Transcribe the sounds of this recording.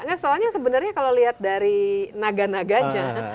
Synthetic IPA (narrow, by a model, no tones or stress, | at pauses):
ŋɡansoalɲasəbənərɲakalowliɦat̪̚daɾinaɡanaɡaɲa